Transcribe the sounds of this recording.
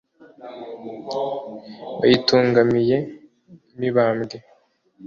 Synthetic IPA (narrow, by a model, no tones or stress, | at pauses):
βa̰jituːŋɡamije̞ | miβaːmɟe